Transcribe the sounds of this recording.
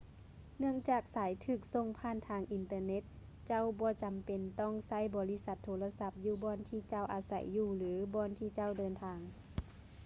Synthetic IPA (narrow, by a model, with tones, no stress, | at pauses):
nɯ˥˩əŋt͡ɕaː˨˩k̚saː˨˦jt̪ʰɯː˧˩k̚so˧˨ŋpʰaː˧˥˨nt̪ʰaː˧˩ŋʔi˨˩nt̪ɤ˧ne˧˥t̪̚ | t͡ɕa˧˥˨wbɔː˧˦t͡ɕa˨mpe˨nt̪ɔː˧˥˩ŋsa˧˥˨jbɔː˨˦li˦˧˥sa˧˦t̪ʰːoː˧˦la˧sa˧˥p̚juː˧˩bɔː˧˥˨nt̪ʰiː˧˩t͡ɕa˧˩˨wʔaː˨˧sa̰˨˩˦jːuː˧˩lɯː˨˦bɔː˧˨nt̪ʰiː˧˩t͡ɕa˧˩˨wdɤː˨nt̪ʰaː˧˩ŋ